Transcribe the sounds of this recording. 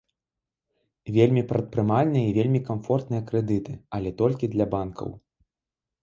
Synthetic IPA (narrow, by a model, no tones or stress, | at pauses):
vʲelʲmʲipɾɐt̪̚pɾɨmalʲnɨjɐivʲelʲmʲikamfɔrt̪nɨjɐkɾɛd̪ɨt̪ɨɐlʲɛt̪ɔlʲkʲid̪lʲɐbankʰɐ̰w